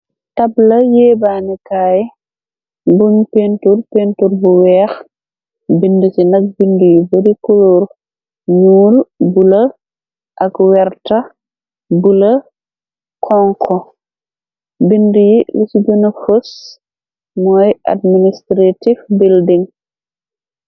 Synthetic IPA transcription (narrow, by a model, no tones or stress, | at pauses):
tɐblɐjɛːbaːnikaːj | bunpenturpentuɾbuwɛːx | bindusinɐk̚bindujibɐɾikuloːɾ | ɲuːlbulɐ | ʔɐkwɛɾtɐ | bulɐ | kʰɔŋkʰɔ | bindujilɛsiɟɔnɐfos | mɔːjʔa̰d̚ministɾatifbildiŋ